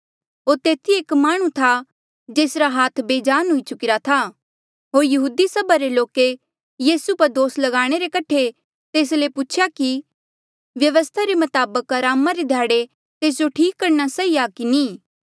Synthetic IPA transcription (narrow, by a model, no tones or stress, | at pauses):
ɦoːɾt̪eːt̪ʰieːkmaːɽ̃ũt̪ʰa | d͡ʒeːsɾaɦaːt̪ʰbeːd͡ʒaːnɦʊit͡ʃʊkɪɾat̪ʰa | ɦoːɾjɐɦuːd̪isɐbʱaɾeloːke | jiːsupɐɾd̪oːslɐɡaːɽ̃eɾekɐʈʰe | t̪eːslepʊt͡ʃʰɪjaki | ʋjɐʋəst̪ʰaɾemɐt̪aːbəkɦɐɾaːmaɾed̪ʱjaːɽe | t̪eːs̬d͡ʒoʈʰiːkːɐɾñasɐiakiniː